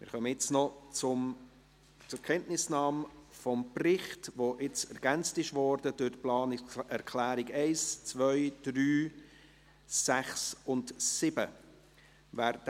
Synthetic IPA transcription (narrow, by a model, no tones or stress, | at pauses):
mɪːɾχœməjɪt͡snɔt͡sʊm | t͡sʊkʰɛntnɪsnɑːmfɔmprɪχtvoʔɪt͡sɛɾɡ̥ænt͡stɪʃvɔɾdəd̥ʊɾtplɑːnɪɛɾkʰlæːɾɪɡɛɪst͡svœʏd̥ryː | æχsʊntsɪbə | væːɾd